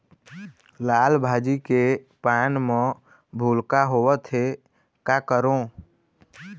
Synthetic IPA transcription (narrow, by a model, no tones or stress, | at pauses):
laːlbʱaːd͡ʒike | paːnmə̃ | bʱulkaɦowət̪ʰɦe | kakəɾõ